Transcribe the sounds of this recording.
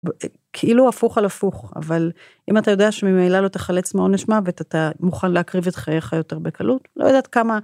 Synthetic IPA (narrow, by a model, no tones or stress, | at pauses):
kʰeiluafuχalafuχa̰val | ʔimatajo̞deaʃemimejlaloteχalet͡smeodneʃmavetatamuχanleakʁivet̪χajeχajo̞te̞ʁbekʰalutlojodaːt̪kama